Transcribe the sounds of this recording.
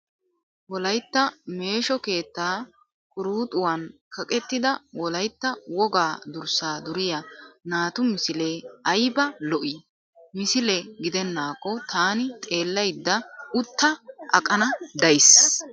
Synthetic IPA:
wɔlɐjt̪ːɐme̞ːʃɔke̞ːt̪ːaː | kʼʊɾuːt̪ʼʊwɐnkʰɐkʼɛt̪ːɪd̪ɐwɔlɐjt̪ːɐwɔɡaːd̪ʊɾsaːd̪ʊɾɪjɐnaːt̪ʊmɪsɪleɐjbɐlɔʔɪ | mɪsɪlɛɡɪd̪ɛnːaːkːɔt̪ʰaːnɪt̪ʼe̞ːlːɐjd̪ːɐʊt̪ːɐʔɐkʼːɐnɐd̪ɐjs

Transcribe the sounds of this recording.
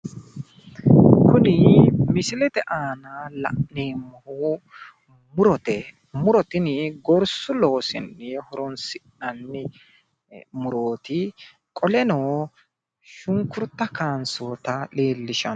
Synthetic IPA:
kʊnɪmɪsɪlɛt̪ɛʔaːnaːlɐ̰ʔneːmːɔhu | mʊɾɔt̪ɛ | mʊɾɔt̪ɪnɪɡɔɾsʊloːsɪ̰nːhɔɾɔnsɪ | ɐnːɪ | mʊɾoːt̪ɪ | kʼɔlɛnoː | ʃʊŋkʊɾt̪ːɐkaːnsoːt̪ɐleːlːɪʃɐn

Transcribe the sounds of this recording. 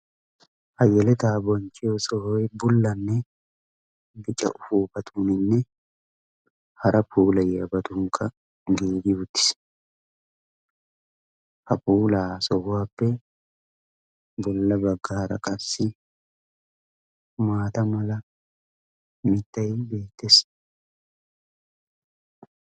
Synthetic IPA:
hɐjɛlɛt̪aːbɔnt͡ʃʼːɪjosɔhɔjbʊlːɐnːɛ | bɪt͡ʃʼːɐ̰ʔʊfuːbɐt̪ʰʼunɪnːɛ | hɐɾɐpuːlɐjɛbɐt̪ʊŋkʰːɐ | ɡiːɡɪʊt̪ːɪ̥s | hɐpuːlaːsɔwːaːpːɛ | bɔlːɐbɐɡːaːɾɐ̰kʼɐsɪ | maːt̪ɐmɐlɐ | mɪt̪ːɐjɪbe̞ːt̪ːes

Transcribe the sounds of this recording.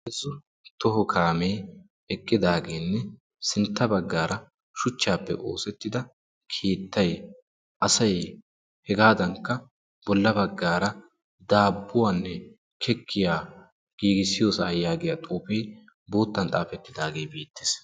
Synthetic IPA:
ɪzːʊ | t̪ɔɦɔkʰaːmeː | ɛkʼːɪd̪aːɡe̞ːnːɛ | sɪnt̪ːɐbɐɡːaːɾɐ | ʃʊt͡ʃːaːpːɛ̰ʔo̞̰ːsɛt̪ːɪd̪ɐ | kʰeːt̪ːɐj | ʔɐsɐj | hɛɡaːd̪ɐŋkːɐ | b̥ɔlːɐbɐɡːaːɾɐ | d̪aːbːʊwaːnːɛ | kʰɛkʰːɪjaː | ɡ̥iːɡɪsɪjo̞ːsɐːjaːɡɪjat̪ʼuːpeː | bo̞ːt̪ːɐnt̪ʼaːfɛt̪ːɪd̪aːɡe̞ːbiːt̪ːe̥ːs

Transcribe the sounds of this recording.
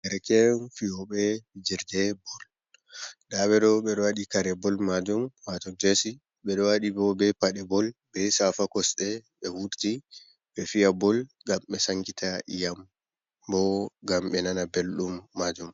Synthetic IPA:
ʔɛɾkɛnfijɔɓɛwid͡ʒiɾdɛbɔl | ɗaɓɛɗɔɓɛɗɔwaɗikaɾɛbɔlmad͡ʒumwatɔd͡ʒesi | ɓɛɗɔwaɗibɔbɛpaɗɛbɔlbɛsafakɔsɗɛɓɛwuɾti | ɓɛfijabɔlɡamɓɛsaŋkitʰaʔijam | bɔɡamɓɛnanabelɗumːad͡ʒum

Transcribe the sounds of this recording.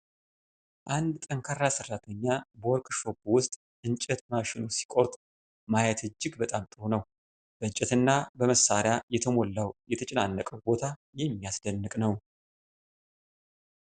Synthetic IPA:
ʔand̪t̪ʼəŋkʰaɾasɨrːat̪ʰəɲːabəoɔɾkʼʃo̞bwʊst̪ʼ | ʔɨnt͡ʃʼɛt̪maʃɪnosi̥kʼoɾt̪ʼ | majɛt̪ʰɨd͡ʒːɨɡbət̪ʼamt̪ʼɨɾonəw | b̥ət͡ʃʼɛt̪ɨnːabəməsːaɾɪjajɛt̪ʰəmolːawjɛt̪ʰət͡ʃʼɪnanːəkʼəwbo̞t̪ʰajɛmːijasd̪ənːɨkʼnəw

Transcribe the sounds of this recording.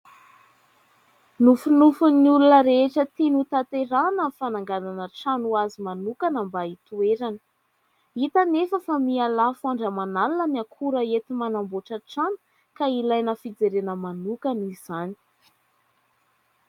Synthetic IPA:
nufunufunulunəɾeʈ͡ʂət̪inut̪at̪eɾanəfanaŋɡananəʈ͡ʂanuazimanukanambait̪ueɾanə̥ | it̪anefəfamialafuaɳɖ͡ʐəmanalinəniakʰuɾəet̪imanamboʈ͡ʂəʈ͡ʂanu̥ | kailajnəfid͡zeɾenəmanukanizani̥

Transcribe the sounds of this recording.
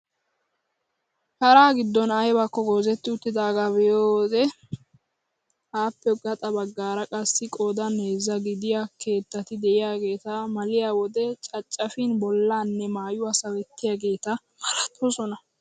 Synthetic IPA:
kɐɾaːɡɪd̪ːɔnɐjbakːɔɡo̞ːzɛt̪ːɪʊt̪ːɪd̪aːɡabɛjoːwɔd̪ɛ | haːpːɛɡɐt̪ʼɐbɐɡːaːɾɐkʼɐsːɪkʼoːd̪ɐneːzːɐɡɪd̪ɪjake̞ːt̪ːɐt̪ɪd̪ɛʔɪjaːɡe̞ːt̪ɐmɐlɪjaːwɔd̪ɛt͡ʃʼɐt͡ʃʼːɐfɪnbɔlːaːnːɛmaːjʊɐsɐwɛt̪ːɪjaːɡe̞ːt̪ɐ | mɐlɐt̪ʰːɔsɔnɐ

